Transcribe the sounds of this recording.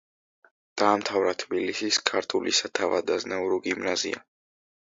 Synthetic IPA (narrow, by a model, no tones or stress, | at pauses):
d̪̥aːmt̪ʰavɾat̪ʰbilisiskʰaɾt̪ʰulḭsat̪ʰava̰d̪aznauɾɔɡimnazḭa̰